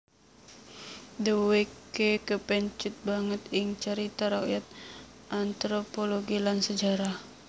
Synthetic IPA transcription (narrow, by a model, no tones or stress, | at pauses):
dəwekekəpɛɲt͡ʃut̪̚baŋət̪iŋt͡ʃəɾit̪aɾakjat̪̚ | ant̪ɾopoloɡilansəd͡ʒaɾah